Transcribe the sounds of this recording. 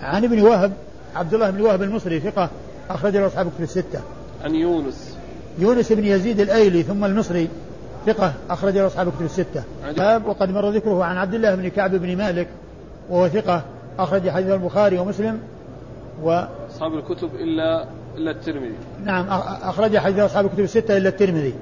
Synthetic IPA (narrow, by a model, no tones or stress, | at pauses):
ʕanɪbniwaɦb | ʕab̚d̪ʊlːaːhɪbnwahbalmɨsˤɾiθɪqɑ | ʔɑxɾˤɑd͡ʒalʔɑsˤħɑːblkʊt̪ʊbɪsːɪt̪ːa | ʕanjuːnʊs | juːnɪsʔɪbnjaziːd̪alʔajliθʊmːalmɨsˤɾi | θɪqɑʔɑxɾˤɑd͡ʒalʔɑsˤħɑːblkʊt̪ʊbsːɪt̪ːa | aːbwɑqɑd̪mɑrˤːɑðɪkɾʊhʕanʕab̚d̪ɪlːaːhɪbnkaʕbɪbnmaːlɪk | wahʊwaθɪqɑ | ʔaxɾˤɑd͡ʒaħad̪iːθalbʊxaːɾiwamʊslɪm | waɑsˤħɑːbalkʊt̪ʊbʔɪlːa | ʔɪlːat̪ːɪɾmɪðḭ | naʕamʔaaxɾˤɑd͡ʒaħad̪iːθlʔɑsˤħɑːblkʊt̪ʊbɪsːɪt̪ːaʔɪlːat̪ːɪɾmɪði